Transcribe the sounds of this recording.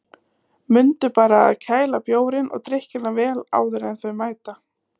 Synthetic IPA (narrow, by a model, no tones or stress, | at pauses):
mʏnt̪ʏpaːɾa̰ːðcʰaːjlapjoːwɾɪnʔɔ̰ɣt̪ɾɪhcɪnːavɛːla̰ːwðʏɾɛnθœɥmaːjt̪a